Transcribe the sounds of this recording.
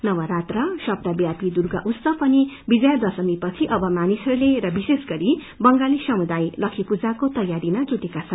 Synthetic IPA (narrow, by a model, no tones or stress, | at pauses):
nʌwʌɾat̪rʌsʌb̚d̪abjapid̪urɡa̰ʔust̪ʌpʌni | bid͡zʌjʌd̪ʌsʌmipʌt͡sʰiʔʌbʌmanisʌɾuleɾʌbisesɡʌɾi | bʌŋɡalisʌmud̪ajlʌkʰipud͡zakot̪ʌjːaɾimad͡zut̪ekat͡sʰʌn